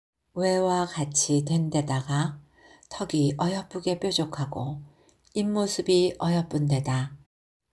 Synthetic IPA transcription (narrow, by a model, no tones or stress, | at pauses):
we̞wakat͡ɕʰitwe̞nde̞daɡa | tʰʌɡiʔʌjʌp͈uɡe̞p͈jod͡ʑokʰaɡo | imːosʰɯbiʌjʌp͈unde̞da